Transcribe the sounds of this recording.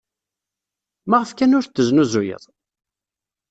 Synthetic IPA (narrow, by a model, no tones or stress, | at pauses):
maʁəfkænʊɾθːəznuzujə̰ðˤ